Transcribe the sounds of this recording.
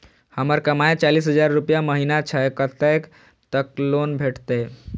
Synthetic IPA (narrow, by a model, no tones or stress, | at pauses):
həməɾkəmaet͡ʃaliːs̬ɦəd͡ʒaɾːupjaməɦinat͡ʃʰaekət̪ek | t̪əklonbʱeʈt̪e